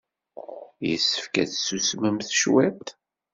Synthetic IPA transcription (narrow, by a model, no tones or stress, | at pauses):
jə̰sːə̥fkæ̰θsusməmθʃwæt̪